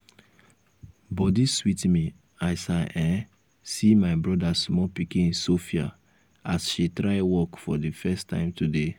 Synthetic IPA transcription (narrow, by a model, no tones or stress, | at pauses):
bɔdiswitmi | aɪsaʔɛ̃ | simaɪbɹɔdasmɔpikĩĩnsofia̰ | asʃitɹaɪwɔkfɔdifɛstːã̰ɪ̃mtʰude